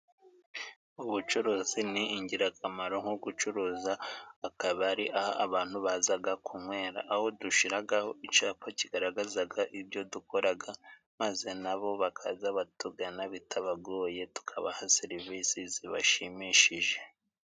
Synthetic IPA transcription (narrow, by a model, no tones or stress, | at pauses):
uβut͡ʃuɾuːziniːɲɟiɾakʰamaɾo̞ŋ̥hoɡut͡ʃuɾuːzaːkaβaɾiʔahaʔaβaːn̥huβazaɡakʰumwe̞ːɾa̰ʔːho̞duʃiɾaɡaho̞it͡ʃaːpaciɡaɾaɡazaɡaʔibjo̞duko̞ɾaɡa | maze̞naβo̞βakʰazaβatuɡanaβitʰaβaɡo̞ːje̞tu̥kʰaβahaseɾiviːsiziβa̰ʃimiʃiʒe̞